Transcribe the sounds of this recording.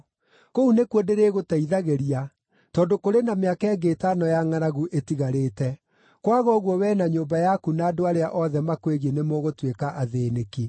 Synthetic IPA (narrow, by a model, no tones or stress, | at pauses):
kounekwedeɾeɣotaiðaɣeɾia | tɔːndokoɾenameakaɛɡeːtanɔjaŋaɾaɣuʔetiɣaɾeːtɛ | kwaɣɔɣwɔwɛːnaɲombajakunaːdoaɾeaʔɔðɛmakweɣenemɔɣotwekaʔaðeneki